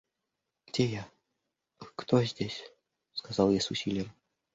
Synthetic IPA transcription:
ɡɡ̥dʲeja | kt̪ozʲdʲesʲ | skɐzɑlˠjasʊsʲilʲɪjəm

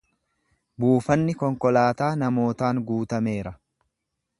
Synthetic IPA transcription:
buːfɐnːɪkɔŋkɔlaːt̪aːnɐmo̞ːt̪aːŋɡuːt̪ɐme̞ːɾɐ

